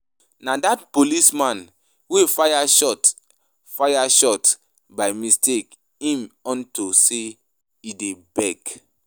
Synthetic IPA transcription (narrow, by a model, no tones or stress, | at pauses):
nadatpolismãn | wefajaʃɔt | fajaʃɔt | baɪmistek | ĩmɔ̃ntose | idebɛk